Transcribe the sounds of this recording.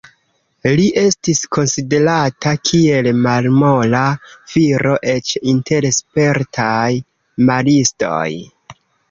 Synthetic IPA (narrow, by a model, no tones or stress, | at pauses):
liʔe̞stisko̞nside̞ɾatʰakʰie̞lmalmo̞lafiɾo̞ʔe̞t͡ʃintʰe̞ɾespe̞ɾtʰaj | malisto̞̰j